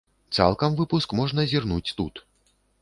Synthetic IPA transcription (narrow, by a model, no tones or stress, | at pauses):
t̪sa̰lˠkɐmvɨpuskmɔʐnɐzʲirnut͡sʲt̪ut̪